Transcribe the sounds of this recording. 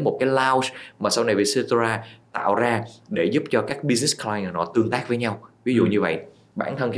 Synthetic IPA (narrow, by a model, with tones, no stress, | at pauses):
jmo˨˩t̚kaː˨˦jlaː˧wsmaː˨˩sa˧wna˨˩jvi˨˩se˧tzaː˧t̪a̰ː˧˨wzaː˧ɗe˧˩zu˦˥p̚t͡ɕɔ˧kaː˦˥k̚ɓi˧sni˦˥sklaː˧jŋʔəː˨˩nɔ̰˧˩˦t̪ɨ˧əŋt̪aː˦˥k̚vəː˨˦jɲa˧wvi˨˦zṵ˧˨ɲɨ˧və̰˧˨jʔ | ɓaː˧˩nt̪ʰə˧n